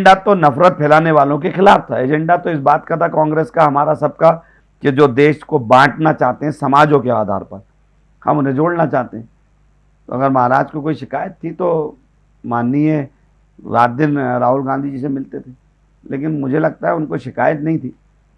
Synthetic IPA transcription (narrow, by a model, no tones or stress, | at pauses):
ɳɖat̪onɐfɾət̪̚pʰɛːlaːneʋaːlõkexɪlaːft̪ʰaeːd͡ʒɛ̃ɳɖat̪oɪsbaːt̪kat̪ʰakɔ̃ːŋɡɾeːskaɦɐmaːɾasɐb̚ka | ked͡ʒoːd̪eːʃkobãːʈnat͡ʃaːɦt̪ẽɦɛ̃sɐmaːd͡ʒõkea̰ːd̪ʱa̰ːɾpɐɾ | hɐ̰mʊnɦẽd͡ʒoːɽnat͡ʃaːɦt̪eɦɛ̃ | t̪o̰ɐ̰ɡəɾmɐɦaːɾaːd͡ʒkokoːiʃɪkaːjət̪ʰːit̪o | maːnːiɦɛ̃ | ɾaːt̪̚d̪ɪnɾaːɦʊlɡãːnd̪ʱid͡ʒisemɪlt̪et̪ʰeː | leːk̬ɪnmʊd͡ʒʱelɐɡ̚t̪aɦɛʊnkoʃɪkaːjət̪nɐɦĩt̪ʰiː